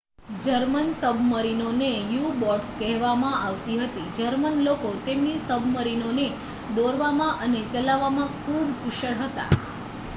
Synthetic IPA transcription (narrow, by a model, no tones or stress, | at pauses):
d͡ʒəɾmənsəbʱməɾinonejubɔʈskɛɦʋamãʔaʋt̪iɦət̪id͡ʒəɾmənlokot̪emnisəbʱməɾinone | d̪oɾʋamãʔənet͡ʃəlaʋːamãkʰubkuʃəɽɦət̪a̰